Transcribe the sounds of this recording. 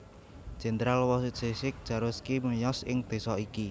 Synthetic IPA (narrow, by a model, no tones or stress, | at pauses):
d̥ʒ̥e̤nd̪ɾalwɔssesɪk̚d̥ʒ̥ä̤ɾʊskiməjɔsɪŋd̪̥e̤sɔiki